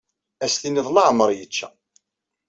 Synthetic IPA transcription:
æsθiniðˤlɑʕməɾˤjət͡ʃːæ̰

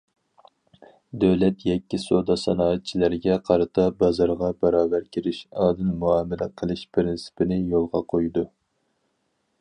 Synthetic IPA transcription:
d̪øwlɛt̪jɛkʲːisod̪ɑsɑnɑːɨt̪̚t͡ʃʰilæɾɡʲɛqʰɑɾɨt̪ʰɑbɑzɑɾʁɑbɛɾɑːbæɾkʲʰiɾɪʃɑːd̪ɨnmuɑːmɪlæqʰəlˠɨʃpʰɾɪnsɪ̥pʰɪnɪjolˠʁɑqʰojd̪u

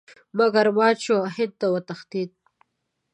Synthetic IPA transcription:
maɡaɾmɑːt͡ʃʰoɦɪnd̪̚t̪awət̪axt̪it̪̚

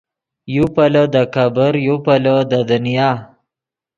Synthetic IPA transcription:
jupaləd̪əkabəɾjupaləd̪əd̪ənijɑː

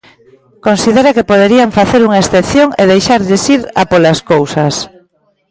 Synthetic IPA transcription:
konsiðeɾakepoðeɾiaɱfaθeɾuŋaesθeθjoŋeðejʃaɾʎɪsiɾa̰polaskowsas

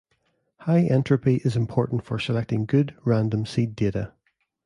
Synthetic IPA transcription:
haɪʔɛ̃ntɹ̥əpiʔɪzɪ̃mpʰɔɹʔn̩tfə˞səlˠɛk̚tɪ̃ŋɡʉdɹãndə̃msideʔə

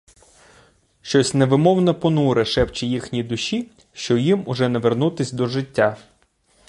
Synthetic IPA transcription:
ʃt͡ʃɔsʲneʋɪmɔwnɐpɔnuɾɛʃɛwt͡ʃijixnʲid̪ʊʃi | ʃt͡ʃɔjimʊʒɛnɐʋernut̪ɪsʲd̪ɔʒɪtʲːa

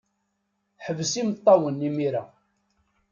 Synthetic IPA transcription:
ħəvəsimət̪ˤːɑwənːimiɾa̰

